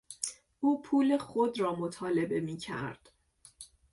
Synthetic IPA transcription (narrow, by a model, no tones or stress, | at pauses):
uːpʰuːle̞xod̪ɾɒːmot̪ʰɒːle̞be̞miːcʰæ̰ɾd̪̥